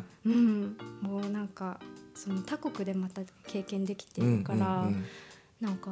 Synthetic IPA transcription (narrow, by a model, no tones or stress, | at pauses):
ɯ̟̃ɴmo̞ːnãŋkaso̞no̞t̪akokɯ̟d̪e̞mat̪ake̞ːkẽ̞nd̪e̞kʲi̥t̪eɾɯ̟kaɾa | nãŋka